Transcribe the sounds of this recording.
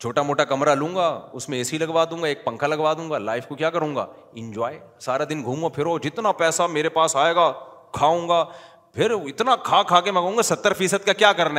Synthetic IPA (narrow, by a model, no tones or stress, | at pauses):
t͡ʃʰoːʈamoːʈakɐmɾalũːŋɡaːʊsmẽɛsilɐɡʋaːd̪ũːŋɡaeːk̚pɐ̃ŋkʰalɐɡʋaːd̪ũːŋɡaːlaːɪfkokjaːkɐɾũːŋɡa̰ː | ɪ̃ɲd͡ʒaːesaːɾad̪ɪnɡʱuːmopʰɪɾɦoːd͡ʒɪt̪napɛːsameːɾepaːsaːeːɡaːkʰaːũːŋɡaː | pʰɪɾɪt̪nakʰaːkʰaːkemɐɡũːŋɡasɐt̪ːəɾfiːsəd̪̚kakjaːkɐɾna